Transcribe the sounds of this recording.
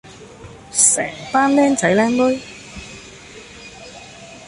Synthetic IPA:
sɛ̰ː˨˩ŋpaː˥nlɛː˥ŋt͡sɐ˨˥jlɛː˥ŋlɵ˥j

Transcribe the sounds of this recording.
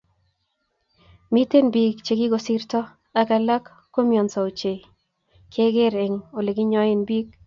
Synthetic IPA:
mi˦te˦nbi˨kt͡ʃe˨ɡɪ˦ɡo˨sɪ˦ɾtɔ˦ | a˨ka˨la˦kːo˦mjɔ˨nsa˨o˨t͡ʃe˨ | kʰe˦ɡe˦ɾe˨ŋo˨le˨ɡɪ˦ɲɔ˦jɪ˦˨nbi˦k̚

